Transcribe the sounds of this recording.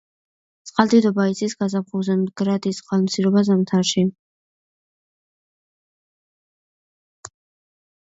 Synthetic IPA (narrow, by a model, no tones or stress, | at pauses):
t̪sʼqʼalˠd̪id̪ɔbait̪sʰʼisɡazapχuzɛmɡɾad̪it̪sʼqʼalˠmt̪sʰiɾɔbazamt̪ʰaɾʃi